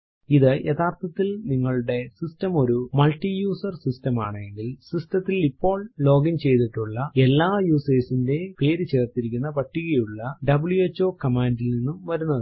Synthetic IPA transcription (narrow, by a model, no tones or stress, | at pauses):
iðɨjet̪ʰaːrt̪ʰɐt̪ːilniŋːɐɭuɽe̞sistɐmo̞ɾumɐlʈːijuːsɐrsistɐma̰ːɳɨeŋɡilsistɐt̪ːilipːo̞ːɭlo̞ːɡɐnt͡ɕe̞jt̪iʈːuɭːɐe̞lːaːjuːseːsinde̞peːɾɨt͡ɕe̞ːrt̪iɾikʲːunːɐpɐʈːiɣɐjuɭːɐɖɐbɭjuet͡ɕːo̞ːkɐmaːnɖilninːumʋɐɾunːɐðɨ